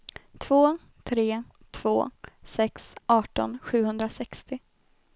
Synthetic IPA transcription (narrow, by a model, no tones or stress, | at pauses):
t̪ʰv̥oː | t̪ʰɾeː | t̪ʰv̥o̰ːsɛksɑːʈɔ̰nɧʉ̟ːhɵnd̪ɾasɛkst̪ɪ